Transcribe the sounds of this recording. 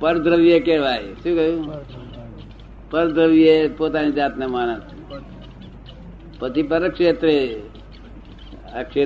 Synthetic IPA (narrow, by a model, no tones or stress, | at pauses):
pəɾd̪ɾəʋijekeːʋaːɦesukəju | pəɾd̪ʱɾəʋijepoːt̪anid͡ʒaːt̪nemaːnəs | pət̪ipəɾəkʂeːt̪ɾe | akʃeː